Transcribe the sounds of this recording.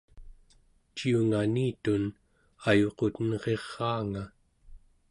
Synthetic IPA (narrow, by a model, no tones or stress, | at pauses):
t͡ʃiuŋaniːt̪un | ajo̞qo̞t̪ənʁe̞ʁːɑːŋa